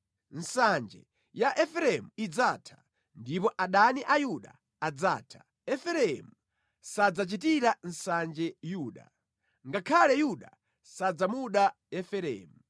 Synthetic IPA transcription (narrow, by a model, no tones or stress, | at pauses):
n̩sand͡ʒɛ̰ | jaʔɛfɛɾɛmuid͡zatʰḁ | ndipɔʔaɗaniʔajuɗa̰ː | d͡za̰ːtʰḁ | ɛfɛɾɛmu | sad͡zat͡ʃitiɾan̩sand͡ʒɛjuːɗa̰ | ŋɡakʰalɛjuɗa̰ | sad͡zamuɗa | ɛfɛɾɛ̰ːmu